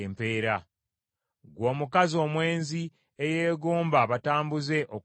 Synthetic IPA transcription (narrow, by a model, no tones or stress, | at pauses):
mpe̞ːɾa | ɡwo̞ːmukazio̞ːmwe̞ːnzi | eje̞ːɡoːmbaβataːmbuze̞ʔo